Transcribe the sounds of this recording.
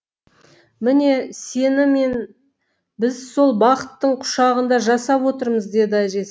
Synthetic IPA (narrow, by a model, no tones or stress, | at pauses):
mɪne̞se̞nɪme̞n | bɪzso̞lˠbɑqət̪ːəɴqʰʊ̥ʃɑʁənd̪ɑʒɑsɑpwo̞t̪əɾməzd̪e̞d̪ɪæʒe̞s